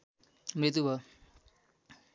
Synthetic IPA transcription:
mɾit̪̬ubʱʌ

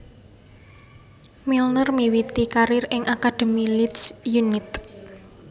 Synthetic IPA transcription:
milnərmiwit̪ikaɾɪrɪŋʔakad̪̥e̤milit̪sjunɪt̪̚

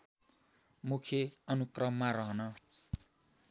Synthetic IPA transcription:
mukʰjeʌnukrʌmːaɾʌɦʌnʌ

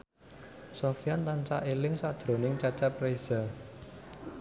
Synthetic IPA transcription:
sɔfijant̪ant͡ʃa̰ʔelɪŋsad̥d̪̥ɾo̤nɪŋt͡ʃat͡ʃapɾez̥a

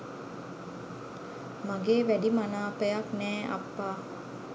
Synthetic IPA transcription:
maɡeːʋæɖimanaːpəjaknɛːʔa̰pːaː

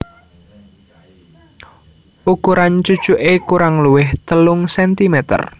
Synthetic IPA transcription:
ʔukuɾant͡ʃud̥t͡ʃuʔekuɾaŋluwɪht̪əlʊŋsɛnt̪imɛt̪ə̰r

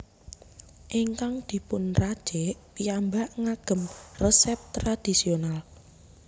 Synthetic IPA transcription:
ʔiŋkaŋd̪̥i̤pʊnrad̥ʒ̥eʔpiambaʔŋaɡ̥ə̤mrəsɛp̚t̪ɾad̪̥isional

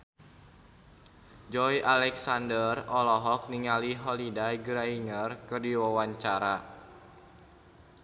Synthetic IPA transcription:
d͡ʒɔijʔalɛksandərɔlɔɦɔk̚niŋaliɦɔlidaɡɾainərkɨrdiwawaɲt͡ʃaɾa

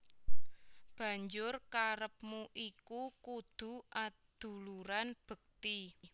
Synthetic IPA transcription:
b̥ä̤ɲd͡ʒʊrkaɾəp̚muʔikukud̪̥ṳʔa | d̪̥ṳluɾanb̥ə̤k̚t̪i

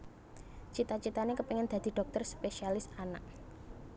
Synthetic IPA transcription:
t͡ʃit̪at͡ʃit̪anekəpɛŋɛnd̪̥a̤d̪̥i̤ɖ̥ɔ̤k̚t̪ərspeʃialɪsana̰k̚

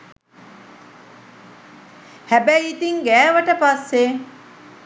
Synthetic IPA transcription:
hæbæit̪iŋɡæːʋəʈəpasːe

